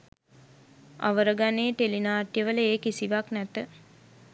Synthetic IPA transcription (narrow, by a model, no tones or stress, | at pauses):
a̰ʋəɾəɡaneːt̪elinaːʈjəʋələeːkisiʋaknæt̪ə